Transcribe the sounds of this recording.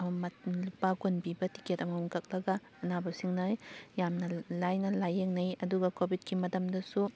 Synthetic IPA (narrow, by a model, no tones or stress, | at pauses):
mɐlupaɡonbibɐti̥ketɐmɐmuŋkɐk̚lɐɡɐːnabɐsiŋnɐjamnɐlajnɐlajeŋnɐjɐduɡɐkobʱit̚kimɐtɐmdɐsu